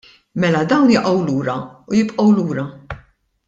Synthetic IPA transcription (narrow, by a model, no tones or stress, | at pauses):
mɛlɐd̪ɐwnjɪʔɐwluːɾɐujɪpʼʔɔwluːɾɐ